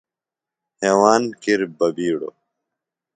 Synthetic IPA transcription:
heːwaːnkiɾbɐbiːɽo̰

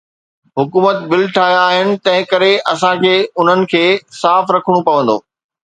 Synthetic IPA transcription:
ɦʊkuːmət̪bɪlʈʰaːɦijaːɦɪnɪ̆t̪ɐ̃ɦɪ̃kɐɾeʔɐsãkʰeːʊn̤ənɪ̆kʰeːsaːfɾɐkʰəɽ̃ũpɐʋə̃nd̪o̰ː

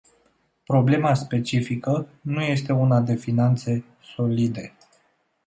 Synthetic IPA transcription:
pɾo̞ble̞maspe̞t͡ʃifikənuje̞st̪e̞unad̪e̞finant̪se̞ | so̞lid̪e̞

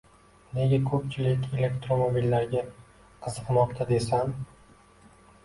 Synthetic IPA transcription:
ne̞ɡʲakʰɵp̚t͡ʃʰɪlɪkʲe̞le̞kt̪ɾomobilːaɾɡʲa | qʰɨzɨqnɒqt̪ʰad̪e̞san

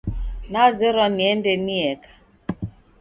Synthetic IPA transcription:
nazɛɾɔniɛndɛniɛkḁ

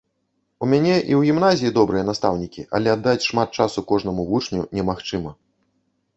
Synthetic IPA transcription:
umʲanʲɛʔiwɣʲimnazʲijid̪ɔbɾɨjɐnast̪awnʲikʲḭʔɐ̰lʲɛad̪ːat͡sʲʂmat̪̚t͡ʂasukɔʐnɐmuvut͡ʂnʲunʲɛmaxt͡ʂɨmɐ

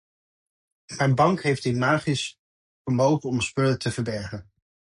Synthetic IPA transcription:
mɛjnbɑŋkɦejfdɪmaːχɪs | fəɹmowχəɔməspʏlətʰəvəɹbɛɹχən

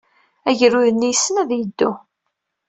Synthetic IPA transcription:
æʝəɾuðənːijsːənæðjəd̪ːu

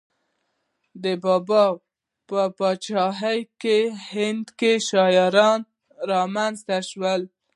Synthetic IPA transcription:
d̪əbɑbɑ | pəpɑt͡ʃɑɦajkehɪnd̪keʃɑjɑɾɑn | ɾɑmanzt̪aʃwəl

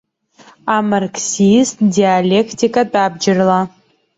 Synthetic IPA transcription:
amarksistdialekʰtikʼatʼab̚d͡ʒɪrla

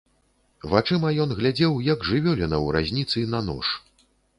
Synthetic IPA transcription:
vat͡ʂɨmɐjɔnɣlʲad͡zʲɛwjɐɡʐɨvʲɔlʲɛnɐwɾa̰zʲnʲit̪sɨnɐnɔ̰ʂ

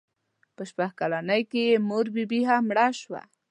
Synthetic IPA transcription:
pəʃpaxkalanəjkemoɾbibiɦamɽaʃwa̰

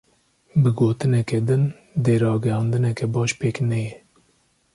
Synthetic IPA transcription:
bɨɡoːt̪ɨnɛkɛd̪ɨn | d̪eːɾɑːɡɛhɑnd̪ɨnɛkɛbɑːʃpeːknɛjɛ

